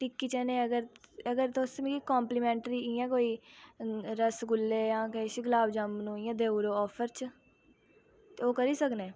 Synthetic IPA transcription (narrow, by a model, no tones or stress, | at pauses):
ʈɪkːiːt͡ʃɛːnẽːəɡəɾəɡəɾt̪osmĩːkikɔːmpliːmɛ̃ːɳʈɾiːiːãːkoːiː | ɾəsɡʊlːeːjãːkeʃiɡəlaːbd͡ʒamnũːiːãːd̪eːuɾoːɔːpʰəɾt͡ʃ | t̪eːoːkəɾiːsəkneː